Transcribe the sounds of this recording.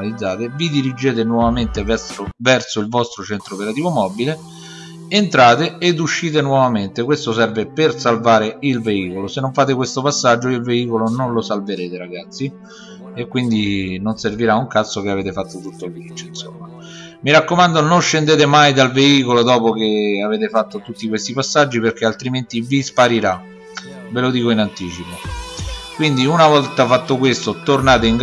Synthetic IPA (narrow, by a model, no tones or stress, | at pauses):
alid̪zːaːt̪evid̪iɾid͡ʒeːt̪enwɔvament̪evɛsovɛrsoilvɔst̪ɾot͡ʃɛnt̪ɾopeɾat̪iːvomɔbile | ent̪ɾaːt̪eːd̪uʃːiːt̪̬enwɔvament̪ekwest̪osɛrvepersalvaːɾeilveiːkolosenːoɱfaːt̪̬ekwest̪opasːad͡ʒːoilveiːkolononlosalveɾeːt̪eɾaɡat̪sːi | ekwind̪inonserviɾauŋkat̪sːok̟eaveːt̪efat̪ːot̪ut̪ːolviit͡ʃːoinsomːa | miɾakːomand̪ononʃːend̪eːt̪emajd̪alveiːkolod̪ɔːpok̟eaveːt̪efat̪ːot̪ut̪ːikwest̪ipasːad͡ʒːiperk̟ealt̪ɾiment̪ivispaɾiɾa | velod̪iːkoinant̪iːt͡ʃipo | kwind̪iunavɔlt̪afat̪ːokwest̪ot̪ornaːt̪eiŋɡ